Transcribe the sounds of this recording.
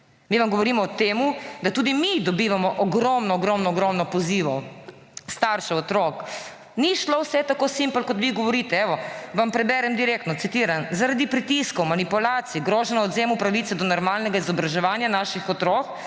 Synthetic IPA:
miʋamɡɔʋɔɾiːmɔɔt̪eːmud̪at̪uːd̪imid̪ɔbiʋamɔʔɔɡɾɔmnɔɔɡɾɔmnɔːɡɾɔmnɔpɔziːʋɔ | st̪aːɾʃɛɔt̪ɾok | niʃlowsɛt̪akosimplkɔt̪ʋiɡɔʋɔɾit̪ɛɛʋɔʋampɾɛbɛɾɛmd̪iɾeːk̚t̪nɔt̪sit̪iɾanzaɾad̪ipɾit̪iskɔwmanipulaːt̪siiɡɾoːʒɛnaɔd̪zeːmupɾaʋit̪sɛd̪ɔnɔɾmaːlnɛɡaizɔbɾaʒɛʋaːnjanaːʃixɔt̪ɾoːk

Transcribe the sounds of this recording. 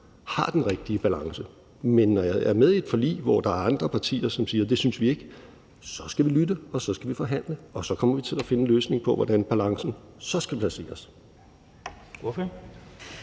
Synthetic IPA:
hɑ̈d̥enʁeɡ̥̚d̥iəb̥ælɑ̈ŋsə | menːɒjɑ̈ɪʔæɐmeðˠied̥fɒ̽lḭːʋɒd̥ɑ̈æɐɑ̈nd̥ʁɐpʰɑ̈t͡sʰḭːɐsɒ̽msiːɐd̥e̝synsʋie̝ɡ̥ | sɒ̽sɡ̥æʋilydəɒ̽sɒ̽sɡ̥æʋifɒ̽ɦæn̰ləɒ̽sɒ̽kʰɒ̽m̰ɐʋit͡sʰe̝læfe̝nəløːsne̝ŋpʰɒ̽ʋɒd̥ænb̥ælɑ̈ŋsn̩ | sɒ̽sɡ̥æpʰlæse̝̰ːɐs | of

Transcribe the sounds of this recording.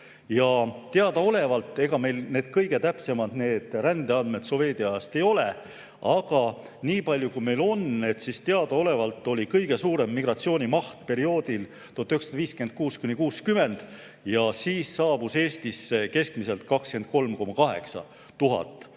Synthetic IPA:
jɑt̪eɑd̪ɑo̞le̞vɑlt̪ːˑe̞ɡ̥ɑme̞jlne̞ːd̪̥kɤjɡ̥e̞t̪æpse̞mɑd̪̥ne̞ːd̪̥ɾænd̪̥eɑnme̞t̪so̞ve̞ːd̪iɑɑst̪e̞jo̞le̞ | ɑɡ̥ɑ | niːpɑlʲjukujme̞jlo̞ne̞t̪sist̪eɑd̪̥ɑo̞le̞vɑlt̪ˑːo̞lʲikɤjɡ̥e̞suːɾe̞mːiɡrɑt̪sio̞ːnʲimɑht̪̚pe̞ɾio̞ːd̪̥il | t̪ot̪ːˑyksɑd̪̥ɑviːskyen̚kuːskunʲikuːskyme̞nd̪̥ | jɑsiːsːɑːb̥use̞ːst̪iske̞skmise̞lt̪̚kɑkske̞n̚ko̞lmko̞mɑkɑɦe̞̰ksɑ̰ | t̪uɦɑ̰t̪ːˑ

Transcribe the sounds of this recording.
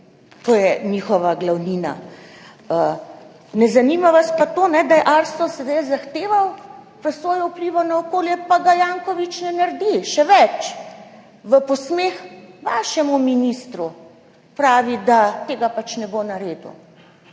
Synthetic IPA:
t̪oːjɛnixɔʋaɡlawniːna̰ | ə | nɛzanimaʋaspat̪oːnɛd̪ajɛʔaɾst̪ɔsɛd̪ajzaxt̪eːʋawpɾɛsʋɔːjɔupliʋɔnaɔkoːljɛpaɡajaːŋkɔʋit͡ʃnɛnɐɾd̪iʃɛʋɛt͡ʃ | ʋəpɔsmeːxʋaːʃɛmuminist̪ɾu | pɾaːʋid̪at̪eːɡapat͡ʃnɛbonɐɾeːd̪ṵ

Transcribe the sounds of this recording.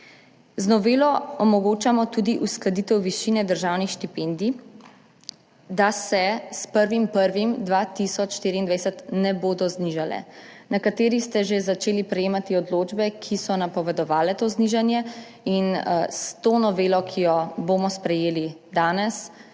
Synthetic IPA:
znɔʋeːlɔɔmɔɡoːt͡ʃamɔt̪uːd̪iʔusklad̪iːt̪ɛwʋiʃinɛd̪əɾʒawnixʃt̪ipend̪i | d̪asɛspəɾʋimpəɾʋimd̪ʋaːt̪isɔt͡ʃʃt̪iːɾind̪ʋajsɛt̪nɛboːd̪ɔzniʒalɛ̰nakat̪eːɾist̪ɛʒezat͡ʃeːlipɾɛjeːmat̪iɔd̪loːd͡ʒbɛkʰisɔnapɔʋɛd̪ɔʋaːlɛt̪oːzniʒanjɛ | inst̪onɔʋeːlɔkʰijɔbomɔspɾɛjeːlid̪aːnɛs

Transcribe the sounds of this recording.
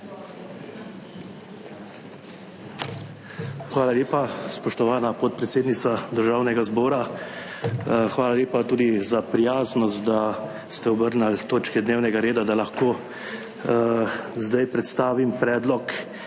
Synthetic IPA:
xʋaːlaleːpaspɔʃt̪ɔʋaːnapɔt̪̚pɾɛt̪seːd̪nit̪sad̪əɾʒaːwnɛɡazbɔːɾa | xʋaːlalʲeːpat̪uːd̪izapɾijaːznɔst̪d̪a | st̪ɛɔbəɾnalt̪oːt͡ʃkɛd̪neːwnɛɡaɾeːd̪ad̪alaxkoː | zd̪ajpɾɛt̪st̪aːʋimpɾɛːd̪lɔk

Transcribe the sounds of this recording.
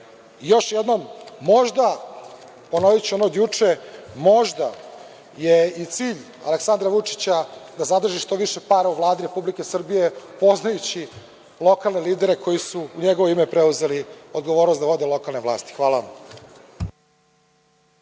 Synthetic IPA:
jo̞ʃjed̪nomːo̞ʒd̪a | po̞noʋit͡ɕionod̪jut͡ʂemo̞ʒd̪a | jeit̪siːʎ | a̰leksand̪ɾaʋut͡ʂi̥t͡ɕad̪azad̪r̩ʒiʃt̪o̞ʋiʃe̞paːɾauvlˠaːd̪iɾe̞publike̞sr̩bije̞po̞znajut͡ɕi | lˠo̞kalˠneliːd̪eɾe̞kʰo̞jisuːɲeɡo̞ʋoimepɾeuze̞lio̞d̪ɡoʋo̞ːɾnosʋo̞d̪e̞lˠo̞kalˠneʋlˠa̰ːst̪i̥xʋaːlaʋam

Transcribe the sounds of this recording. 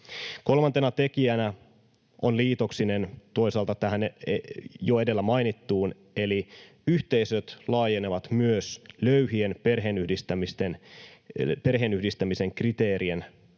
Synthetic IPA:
ko̞lmɑnt̪e̞nɑt̪e̞kiænæ | ʔonliːt̪o̞ksine̞nt̪o̞isɑːlt̪ɑt̪æɦænejoe̞de̞lːæmɑinit̪ːuːn | e̞li | yht̪e̞isøt̪lɑːjeneʋɑt̪myøsløɥhienperɦeːnyhdist̪æmist̪en | perɦeːnyhdist̪æmise̞ŋkrit̪e̞ːɾien

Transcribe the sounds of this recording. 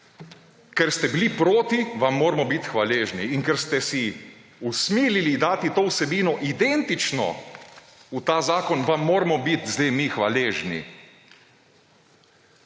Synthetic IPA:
kɛɾst̪ɛbilipɾoːt̪iʋamːoːɾmɔbit̪xʋaleːʒniːŋkɛɾst̪ɛsi | usmiːlilid̪aːt̪it̪oːwsɛbiːnɔʔid̪ɛnt̪it͡ʃnɔ̰ | ut̪aːzaːkɔnʋamːoːɾmɔbit̪zd̪ɛjmixʋa̰leːʒnḭ

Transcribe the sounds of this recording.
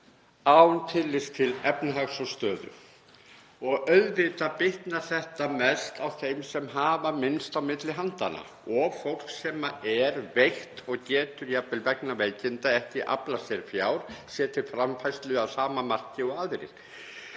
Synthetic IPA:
aːwnt̪ʰɪlːɪst̪ʰɪlɛpnaɦaɣsɔst̪œːðʏ̰ | ɔɣœɥðvɪt̪apɪht̪naθɛht̪amɛst̪awθejmsɛmɦaːvamɪnst̪awmɪt̪lɪɦant̪ana̰ | ɔɣfowl̥ksɛːmaɛɾvejht̪ɔɣcɛːt̪ʏɾjapːɪlvɛknaveːjcɪnt̪aɛhcɪʔa̰plasjɛɾfjaːwɾ̥sjɛːt̪ʰɪlfɾamfajst̪lʏawsaːmamar̥cɪɔɣaðɾɪ̰̥

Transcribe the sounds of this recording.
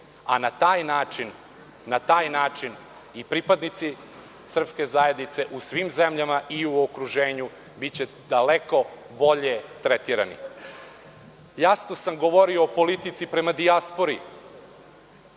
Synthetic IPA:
a̰nat̪aːjnaːt͡ʃinː | at̪aːjnaːt͡ʃin | ipɾipad̪nit̪si | sr̩pske̞zaje̞d̪nit̪se̞ʔusʋimzemʎamaʔiuokɾuʒe̞ːɲu | bit͡ɕe | d̪̥aleko̞ | bo̞ʎe̞t̪ɾet̪iːɾa̰nḭ | jasnosamɡo̞ʋo̞ɾioːpo̞lit̪it̪sipɾe̞mad̪iaspo̞ɾi

